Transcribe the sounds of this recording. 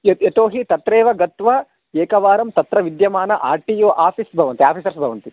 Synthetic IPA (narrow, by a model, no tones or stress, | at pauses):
et̪oːɦit̪ɐt̪ɾeːʋɐɡɐt̪ʋɐ | eːkɐʋaːɾɐmt̪ɐt̪ɾɐʋid̪jɐmaːnɐʔa̰ːɾʈijoːʔaːpʰisbʱɐʋɐnt̪iaːpʰiːsɐɾsbʱɐʋɐnt̪i